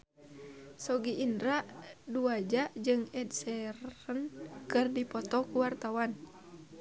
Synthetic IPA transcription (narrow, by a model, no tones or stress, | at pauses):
sɔɡiʔindɾaʔduad͡ʒaʔd͡ʒɨŋɛdsɛrɾənkɨrdipɔt̪ɔkuwart̪awan